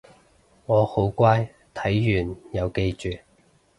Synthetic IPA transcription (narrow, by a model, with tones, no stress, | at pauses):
ŋɔː˨˧ho˨˥wkʷaː˥j | t̪ʰɐ˨˥jːyː˨˩njɐ˨˧wke˧jt͡ʃyː˨